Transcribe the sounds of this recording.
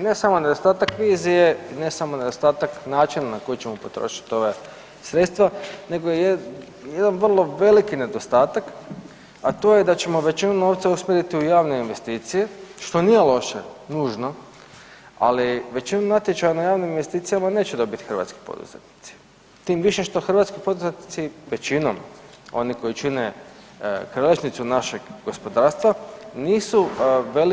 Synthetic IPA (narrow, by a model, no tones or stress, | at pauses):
ne̞samo̞ne̞d̪ost̪aːt̪akʋiːzijeine̞samo̞ne̞d̪ost̪aːt̪aknaːt͡ʃinanako̞jit͡ɕe̞mo̞po̞t̪ɾo̰ʃi̥t̪io̞ʋe | sɾe̞t̪st̪ʋane̞ɡoje | jed̪anʋrlˠo̞ʋe̞likine̞d̪ost̪aːt̪ak | at̪oːjed̪at͡ɕe̞mo̞ʋe̞t͡ɕinunoːʋt̪sausmʲjeɾit̪iujaːʋnoinʋe̞st̪iːt̪sijeʃt̪o̞nije̞lˠo̞ʃenuːʒno̞ | a̰liʋe̞t͡ɕino̞mnat̪jet͡ʃajanajaːʋniminʋe̞st̪iːt̪ijamane̞ːt͡ɕed̪o̞bit̪i̥xəɾʋa̰t̪ski̥po̰d̪ṵz̥ḛt̪ni̥t̪si̥ | t̪iːmʋiʃeʃt̪o̞xr̩ʋaːt̪skipo̞d̪uzet̪nit̪siʋe̞t͡ɕino̰m | o̞̰niko̞jit͡ʃine | kɾaleʃnit̪sunaʃe̞ɡɡo̞spo̞d̪aːɾst̪ʋaniːsuʋe̞l